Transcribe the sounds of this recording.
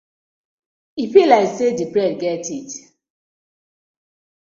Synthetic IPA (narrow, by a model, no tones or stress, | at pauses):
ipilaɪksedipɾɛd̚ɡɛtit